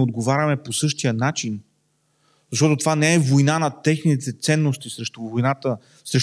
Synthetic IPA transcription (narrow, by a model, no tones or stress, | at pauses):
od̪ɡovaɾʲɐmɛposɤʃt̪ijənat͡ʃin | zɐʃ̬t̪ɔt̪ot̪ovanɛɛvojnanɐt̪ɛxnit̪ɛt̪sɛnːost̪isɾɛʃt̪ovojnat̪ə | sɾɛʃ